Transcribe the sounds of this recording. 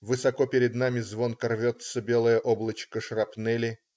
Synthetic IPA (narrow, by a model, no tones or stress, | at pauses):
vɨsɐkopʲɪɾʲɪd̪namʲɪzvo̞nkɐrvʲot̪səbʲe̞lˠəjəʔoblˠət͡ɕkəʂrɐpnɛlʲɪ